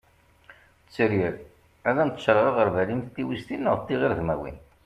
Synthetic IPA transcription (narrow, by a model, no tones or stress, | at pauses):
t͡sːɾiɾ | æðænt̪ːʃɾˤʁɑʁəɾvælimθt̪ːiwist̪inːəʁt̪ːiʁiɾðmæ̰wḭn